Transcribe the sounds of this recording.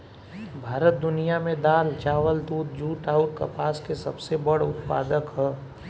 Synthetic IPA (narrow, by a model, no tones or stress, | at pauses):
bʱaːɾət̪̚d̪ʊnijamẽd̪aːlt͡ʃaːʋəld̪uːt̪̚d͡ʒuːʈaːʊʈ̚kɐ̰paːskesɐbsebɐɽ̤ʊt̪pa̰ːd̪əkɦɛː